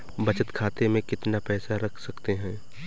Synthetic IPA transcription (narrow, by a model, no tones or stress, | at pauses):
bɐt͡ʃət̪kʰaːt̪emẽkɪt̪napɛːsaɾɐkʰsɐkt̪eɦɛ̃ː